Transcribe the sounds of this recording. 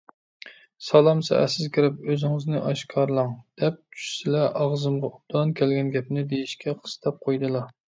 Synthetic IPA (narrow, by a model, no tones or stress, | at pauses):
sɑlˠɑmsɛ̰ʔɛ̰sɪzkʲʰiɾɪpøzɪŋɨznɨʔɑʃkʰɑɾlˠɑŋd̪̥ɛp̚t͡ʃʰy̥ʃsɪlɛʔɑʁzɨmʁɑub̚d̪ɑnkʲʰɛlɡʲɛnɡʲɛpnɪd̪ejiʃkʲʰɛqʰə̥st̪ʰɑp̚qʰojd̪ɨlˠɑ